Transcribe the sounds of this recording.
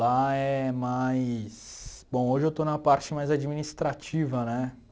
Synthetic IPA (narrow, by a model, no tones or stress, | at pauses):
aɛmajsbõw̃oʒɪewt̪onũmɐpaɾt͡ʃɪmajzad͡ʒiminist̪ɾat͡ʃivɐnɛ